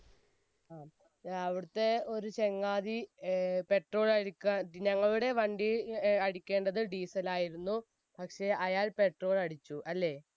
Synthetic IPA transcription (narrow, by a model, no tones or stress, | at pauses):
aː | ɐʋiɽut̪ːe̞o̞ɾut͡ɕe̞ŋːaːðipe̞ʈro̞ːlɐɽikʲːuaɲɐŋːɐɭuɽe̞ʋɐɳɖiɐɽikʲːe̞ːɳɖɐðɨɖiːsɐlaːjiɾunːu | pɐkʂe̞ɐjaːlpe̞ʈro̞ːɭɐɽit͡ɕːuʔɐlːe̞ː